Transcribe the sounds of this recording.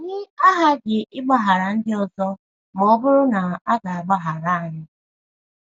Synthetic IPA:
ɲɪ˦a˦ɦa˦ɡɪ˨ʔɪ˦ɡ͡ba˨ɦa˨ɾa˨n̩˦dɪ˦ɔ˨zɔ˦ | m˨ɔ˦bʊ˦ɾʊ˦na˨a˦ɡa˨a˨ɡ͡ba˦ɦa˨ɾa˦a˨ɲɪ˦

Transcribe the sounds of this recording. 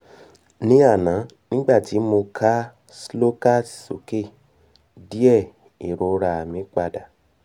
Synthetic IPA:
nĩ˨˦a˦˨nã˨˦nĩ˦ɡ͡ba˦˨ti˨˦mo˧kʰa˦ | slo˦ka˦˨ti̥˨so̰˨ke˦˨ | di˦ɛ˦˨ | ḭ˨ɾo˨ɾa˧a˨mĩ˨˦k͡pa˧da˨

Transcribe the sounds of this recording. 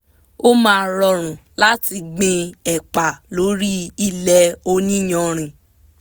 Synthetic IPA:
o˦mãː˧˦˧ɾɔ˧ɾ̃ũ˨la˦ti˧ɡ͡bĩ˧ɛ˨k͡pa˨lo˨˦ɾi˦i˦lɛ˧o˧nĩ˦j̃ɔ̃˧˨ɾ̃ĩ˨

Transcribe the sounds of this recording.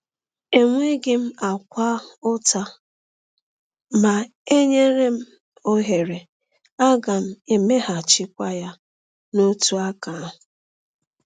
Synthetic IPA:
e˨ŋʷe˦ɡɪ˦m̩˦a˨kʷa˦ʊ˦ta˦ | ma˨ | e˦ɲe˦ɾe˦m̩˦ | o˦ɦe˨ɾe˨ | a˦ɡa˨m̩˦e˨me˦ɦa˨t͡ʃɪ˦kʷa˦ja˦ | no˦tu˦a˦ka˨

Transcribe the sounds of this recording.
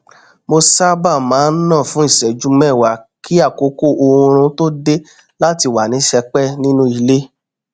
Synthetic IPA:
mo˧sa˦ba˦˨mãː˨˦n̩˦nãː˦˨fũ˨˦i˦˨sɛ˨d͡ʒu˦mɛ˦˨wa˨kʰi˦a˦˨ko˨˦ko˦˨ʔo˧ũ˧ɾ̃ũ˧to˦de˦ | la˦ti˧˨wa˨nĩ˨˦ʃɛ˧k͡pɛ˦˨nĩ˦nũ˦i˨˧˨le˦

